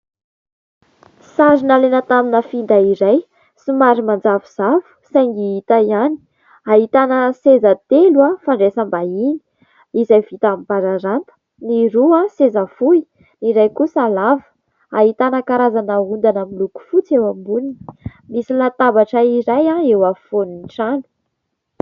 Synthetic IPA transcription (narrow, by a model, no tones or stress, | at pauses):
sazinalenət̪aminəfind̪aiɾaj | simaɾimand͡zavuz̥avu̥saŋɡiɦit̪aiani̥ | aɦit̪anəsezat̪eluafaɳɖ͡ʐesəmbaini̥ | izajv̥it̪amipaɾaɾant̪ə̥ | niɾuasezafui | niɾajkusalavə̥ | aɦit̪anakaɾazanəund̪anamiluku̥fut͡sewambunii̥misilat̪abaʈ͡ʂəiɾajaewafoninʈ͡ʂanu̥